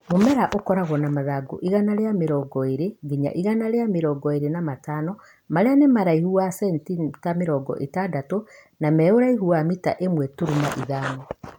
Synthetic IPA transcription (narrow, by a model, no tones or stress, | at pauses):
momɛɾaʔokɔɾaɣɔnamaðaɡo̰ʔiɣanaɾeameɾɔɡɔeɾeɡiɲa̰ʔiɣanaɾeameɾɔɡɔeɾenamatanɔ | maɾeanemaɾaihuwasɛntitameɾɔɡɔ̰ʔetadato | namɛoɾaiɦuamita̰ʔemwɛtuɾumaʔiðaːnɔ